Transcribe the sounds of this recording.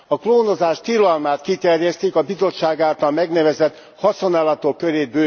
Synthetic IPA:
ɒkloːnozaːʃt̪ilɒlmaːt̪kit̪ɛrjɛst̪eːkɒbizo̞t͡ʃːaːɡaːlt̪ɒlmɛɡnɛvɛzɛt̪ | hɒsonaːlɒt̪okːøɾeːbøː

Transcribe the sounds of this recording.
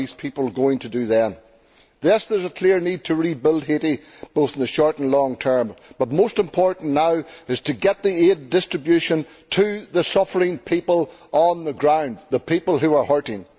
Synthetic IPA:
iz̥pʰipəl̩ˠɡoɪ̃ŋtʰədɨðə̃n | ðɪsðə˞zəkʰl̥ɪɹnid̚tʰəɹibɪlˠd̚heɾi | b̥oθn̩ðəʃɔɹtə̃n̩lɔ̃ŋtʰɜ̃˞mb̥ʌt̚mostɨ̃mpʰɔɹʔn̩naʊɨz̥tʰɨɡɛt̪̚ðiedɪstɹ̥ɨbjʉʃə̃n | tʰɨðəsʌfə˞ɪ̃ŋpʰipəlˠʔə̃nðəɡɹãʊ̃nd̪ðəpʰipəl̩ˠɦʉə˞hɜ˞ɾɪ̃ŋ

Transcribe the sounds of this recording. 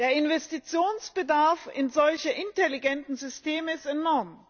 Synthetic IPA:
d̥eːɐɪnvɛstit͡sjoːnsb̥ədaɐfɪnzɔlçəʔɪntɛliɡɛntn̩zʏstʰeːməɪstɛnɔɐm

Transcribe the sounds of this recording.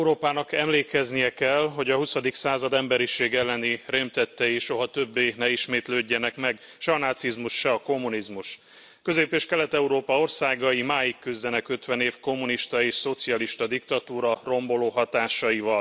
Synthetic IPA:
ɛuɾoːpaːnɒkɛmleːkɛznijɛkɛlɦo̞ɟɒhusɒd̪iksaːzɒd̪ɛmbɛɾiʃeːɡɛlːɛniremt̪ɛt̪ːɛjiʃo̞ɦɒt̪ø̞bːeːnɛiʃmeːt̪løːɟːɛnɛkmɛɡ | ʃɛɒnaːt̪sizmuʃʃɛɒko̞mːunizmuʃ | kø̞zeːpeːʃkɛlɛt̪ɛuɾoːpɒo̞rsaːɡɒjimaːjikːyzd̪ɛnɛkø̞t̪ʋɛneːfko̞mːuniʃt̪ɒeːʃso̞t̪siɒliʃt̪ɒd̪ikt̪ɒt̪uːɾɒro̞mbo̞loːɦɒt̪aːʃɒjivɒl

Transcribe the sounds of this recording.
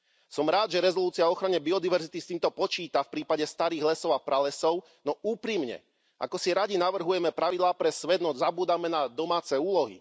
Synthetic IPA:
sɔmɾaːd̪ʒɛɾɛzɔluːt͡siaɔxɾaɲɛbiɔd̪iʋɛɾzit̪ist̪iːmt̪ɔpɔt͡ʃiːt̪afpɾiːpaɟɛst̪aɾiːɣlɛsɔʊapɾalɛsɔʊ | nɔuːpɾimɲɛ̰ | ʔa̰kɔsiɾaɟinaʋr̩ɦujɛmɛpɾaʋid̪laːpɾɛsʋɛd̪nɔzabuːd̪amɛnad̪ɔmaːt͡sɛuːlɔɦḭ

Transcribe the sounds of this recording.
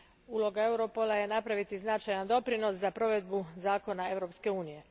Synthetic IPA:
uːlˠo̞ɡae̞wɾo̞po̞lˠaje̞napɾaʋit̪iznat͡ʃajand̪o̞pɾino̞szapɾo̞ʋe̞d̪̚buzaːko̞nae̞ʋɾo̞pske̞uːnije̞

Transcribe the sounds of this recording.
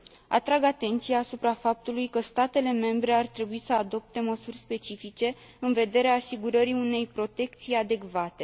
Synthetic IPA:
a̰t̪ɾaɡat̪e̞nt̪sijaːsupɾafap̚t̪ulujkəst̪at̪e̞le̞me̞mbɾe̞art̪ɾe̞buisəad̪o̞p̚t̪e̞məsurʲspe̞t͡ʃifit͡ʃe̞ | ɨnve̞d̪e̞ɾeaːsiɡuɾəɾiune̞jpɾo̞t̪e̞kt̪sijad̪e̞kvat̪e̞

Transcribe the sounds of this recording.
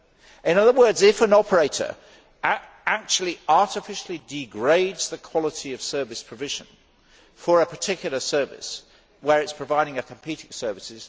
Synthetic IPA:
ɪ̃nʌðəwɜ˞dzɪfə̃nɒpʰəɹeɪtə̰˞ | ak̚t͡ʃulˠiɑɹtɪfɪʃl̩ˠidɪɡɹeɪdz̥ðəkʰw̥ɒlˠɪtʰiəv̥sɜ˞vɪspʰɹ̥əvɪʒə̃n | fəɹəpʰətʰɪkjl̩ˠəsɜ˞vɪ̰s | wəɹɪtspʰɹ̥əvaɪɾɪ̃ŋɨkʰə̃m̩pʰiˑtɪ̃ŋsɜ˞vɪsɪz̥

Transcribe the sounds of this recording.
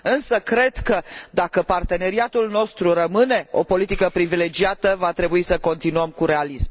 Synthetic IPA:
ɨnsəkɾe̞d̪kəd̪akəpart̪e̞ne̞ɾiat̪ulno̞st̪ɾuɾəmɨne̞o̞̰po̞lit̪ikəpɾivile̞d͡ʒiat̪əvat̪ɾe̞buisəko̞nt̪inuəmkuɾe̞alism

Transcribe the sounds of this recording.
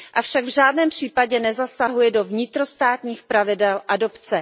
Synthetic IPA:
ʔafʃaɡvʒaːdnɛːmpr̝̥iːpaɟɛnɛzasaɦujɛdo̞vɲɪt̪ɾo̞st̪aːt̪ɲiːxpɾavɪdɛlʔado̞pt͡sɛ

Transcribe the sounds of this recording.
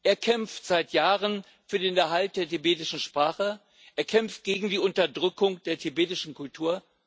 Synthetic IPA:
ʔeːɐkʰɛmftz̥aɪtjaːʁən | fyːɐdeːnɛɐɦalt̚d̥eːɐtibeːtɪʃn̩ʃpʁ̥aːχə | ʔeːɐkʰɛmft̚ɡ̥eːɡŋ̩diːʊntɐdʁʏkʊŋd̥eːɐtʰibeːtɪʃn̩kʰʊltʰuːɐ

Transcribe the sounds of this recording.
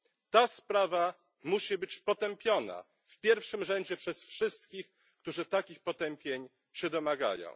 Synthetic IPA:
t̪aspɾava | muɕibɘt͡ɕpɔt̪ɛmpʲjɔna̰ | fpʲjɛɾfʂɘmʐɛɲd͡ʑɛpʂɛsfʂɘst̪kʲix | kt̪uʐɘt̪akʲixpɔt̪ɛmpʲjeɲ | ɕɛd̪ɔmaɡa̰jɔ̰̃w̃

